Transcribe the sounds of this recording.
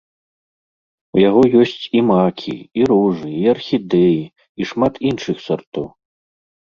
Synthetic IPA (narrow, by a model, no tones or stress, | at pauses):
ujaɣɔjɔsʲt͡sʲimakʲʰḭiɾuʐɨiɐrxʲid̪ɛji | iʂmat̪inʂɨxsart̪ɔw